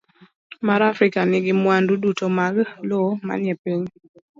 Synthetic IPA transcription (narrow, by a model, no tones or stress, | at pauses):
maɾafɾɪkanɪɡɪmwandudutomaɡloma̰njɛpiɲ